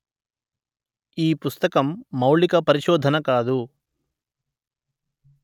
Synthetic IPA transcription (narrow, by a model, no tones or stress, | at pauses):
iːpust̪ɐkɐmːɐwɭikɐpɐɾiʃɔːd̪ʱɐnɐkaːd̪u